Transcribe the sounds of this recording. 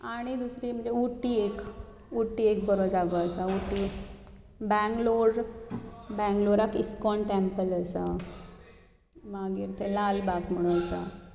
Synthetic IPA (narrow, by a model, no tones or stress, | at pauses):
aɽ̃id̪usɾiːm̤ə̃ɳd͡ʑeuʈːiek | uʈːiek̚bəɾod͡zaɡoəsauʈːi | bɛ̃ŋɡloɽ | bɛ̃ŋɡloɾakiskɔɳʈẽmpələsa | maɡiɾt̪ʰelalbakm̤əɽ̃ũəsa